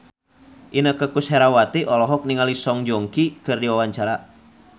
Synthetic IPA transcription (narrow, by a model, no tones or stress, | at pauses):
ʔinəkəkushɛɾawat̪iʔɔlɔɦɔk̚niŋalisɔŋd͡ʒɔŋkikɨrdiwawaɲt͡ʃaɾa